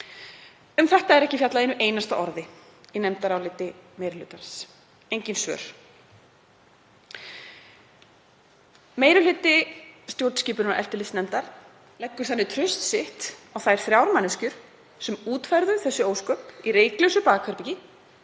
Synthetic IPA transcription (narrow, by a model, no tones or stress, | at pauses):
ʏmθɛht̪aɛɾɛhcɪfjat̪laðenːʏʔeːjnast̪a̰ʔɔ̰ɾðɪinɛmt̪aɾawlɪt̪ɪmejɾʏlʏːt̪ans | ejɲcɪnsvœ̰ɾ̥ | meːjɾʏlʏːt̪ɪst̪jowɾt̪sciːpʏɾnna̰ʔɛft̪ɪlɪsnɛmt̪aɾ̥ | lɛkːʏɾ̥θanːɪt̪ʰɾʏst̪sɪht̪awθajɾ̥θɾjawɾmanːɪscʏɾ̥ | sɛmuːt̪fajɾðʏθɛsːʏoːwskœːpiɾeːjklesʏpaːɣkʰœɾpicɪ